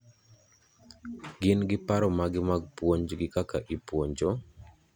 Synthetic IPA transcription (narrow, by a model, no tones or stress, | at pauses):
ɡɪnɡɪpaɾɔmaɡɪmaɡ̚pwoɲd͡ʒɡɪkakaʔipwoɲd͡ʒo